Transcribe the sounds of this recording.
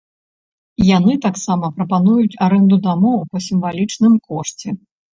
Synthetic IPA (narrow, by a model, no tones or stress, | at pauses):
janɨt̪aksamɐpɾɐpanujut͡sʲaɾɛnd̪ud̪amɔwpɐsʲimvalʲit͡ʂnɨmkɔʂt͡sʲɛ